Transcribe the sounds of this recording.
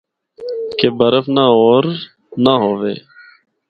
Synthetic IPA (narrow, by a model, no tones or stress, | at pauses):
keːbəɾəfnaːoːɾ | naːɦoːʋḛː